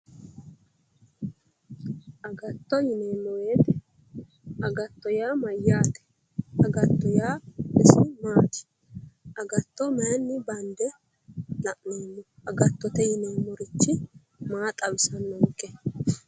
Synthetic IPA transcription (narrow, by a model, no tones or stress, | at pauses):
ʔɐɡɐt̪ːɔjɪnenːɔweːt̪ɛ | ɐɡɐt̪ːɔjaːmɐjːaːt̪ɛ̥ | ɐɡɐt̪ːɔjaːɪsɪmaːt̪ɪ̥ | ʔɐɡɐt̪ːɔmɛjnːɪbɐnd̪ɛ | lɐʔnoːnːɔʔɐɡɐt̪ːɔt̪ɛjɪnɛwmɔɾɪt͡ʃːɪ | maːt̪ʼɐbɪsɐnːɔŋkʼːɛ